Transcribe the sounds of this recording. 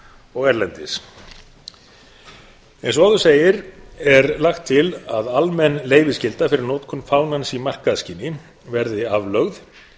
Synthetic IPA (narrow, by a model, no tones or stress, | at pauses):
ɔɣɛɾlɛnt̪ɪs | ɛns̬aðʏseːjɪɾɛɾlaxt̪ʰːɪlaðalmɛnːleːjvɪscɪlt̪afɪɾɪɾnoːt̪kʰʏnfaːwnansimar̥kaðsciːnɪ | vɛɾðɪavlœɣð